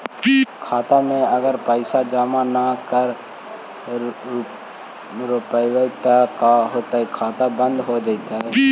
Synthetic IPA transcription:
kʰaːt̪amẽəɡəɾpəɪsad͡ʒaːmanakəɾ | ɾʊpəɪwəɪt̪akaɦoːt̪aikʰaːt̪abə̃nd̪ɦod͡ʒaːɪt̪aɦɛː

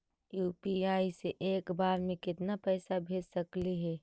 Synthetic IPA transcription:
juːpiaːiseʔeːkbaːɾmẽkɪt̪napɛːsabʱeːd͡ʒsɐkliɦɛː

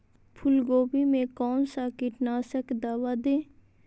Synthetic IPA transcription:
pʰʊlɡoːbimẽkɔːnsakɪʈnaːsəkd̪aːʋad̪eː

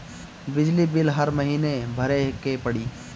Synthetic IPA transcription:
bɪd͡ʒlibɪlɦɐɾmɐɦiːnebʱɐɾekepɐɽiː

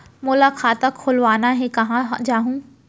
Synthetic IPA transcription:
mʊlakʰaːt̪akʰʊlʋaːnaɦekɐɦãd͡ʑaːɦũː

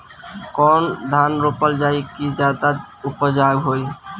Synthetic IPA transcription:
kɔnd̪ʱanɾopəld͡ʒaikid͡ʒad̪a | upɔd͡ʒaɡɦoj

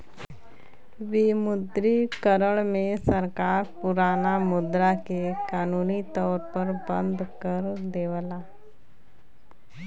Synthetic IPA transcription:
ʋimʊd̪ɾikəɾəɭmẽsəɾkaːɾpʊɾaːnamʊd̪ɾakekaːnuːnit̪ɔːɾpəɾbə̃nd̪kəɾd̪eːʋəlaː

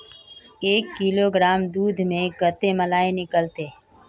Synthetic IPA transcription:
eːkːiːloːɡɾaːmd̪uːd̪ʱmẽɡət̪eməlaːenɪkəlt̪eː

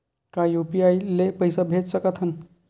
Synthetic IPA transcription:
kajupiajlepəjsabʱet͡ssəkət̪ʰɦən

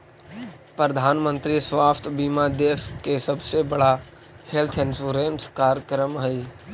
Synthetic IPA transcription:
pɾəd̪ʱaːnmə̃nt̪ɾisʋaːst̪ʰbimad̪eːskesəbsebəɽa | helt̪ʰɪnsuɾenskaːɾəkɾəmɦəi

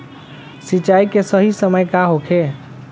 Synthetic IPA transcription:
sit͡ʃaikesəɦisəməjkaɦokʰe

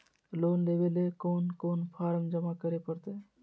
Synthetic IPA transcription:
loːnlebelekoːnkoːnpʰaːɾmd͡ʒəmakəɾepəɾt̪eː

